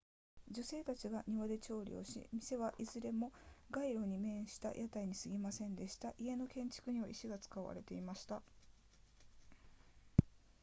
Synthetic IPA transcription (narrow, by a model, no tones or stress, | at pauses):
d͡ʑose̞ːt̪at͡ɕiɡaɲ̟iβad̪e̞t͡ɕo̞ːɾʲḭo̞̰ɕḭmʲise̞βaʔizɨɾe̞mo̞ɡaiɾo̞ɲ̟imẽ̞ɰ̃ɕi̥t̪a̰jʔat̪aiɲ̟isɨɡʲimasẽ̞nd̪e̞ɕi̥t̪aʔie̞no̞kẽ̞ɲ̟t͡ɕi̥kɯɲ̟iβaiɕiɡat͡sɨ̥kaβa̰ɾe̞t̪e̞imaɕi̥t̪a